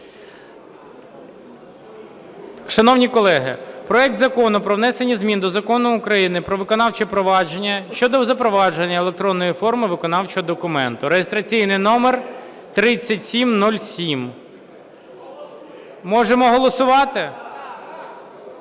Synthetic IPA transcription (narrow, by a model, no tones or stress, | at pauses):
ʃɐnɔwnʲikɔlˠɛɦɪ̰pɾɔɛk̚t̪zɐkɔnʊpɾɔwnɛsenʲizmʲind̪ɔzɐkɔnʊʊkɾɐjinɪpɾɔʋɪkɔnɑwt͡ʃɛpɾɔʋɑd͡ʒenʲːɐʃt͡ʃɔd̪ɔzɐpɾɔʋɑd͡ʒenʲːɐelˠek̚t̪ɾɔnːɔjifɔrmɪʋɪkɔnɑwt͡ʃɔɦɔd̪ɔkʊmɛnt̪ʊɾejɪst̪ɾɐt͡sʲijnɪjnɔmer | t̪ɾɪt͡sʲːɐtʲsʲimnulʲsʲim | mɔʒemɔɦɔlˠɔsʊʋɑt̪ɪ